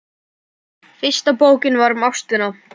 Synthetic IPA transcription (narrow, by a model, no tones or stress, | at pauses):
fɪ̥st̪apoːwcɪnvaɾmawst̪ʏna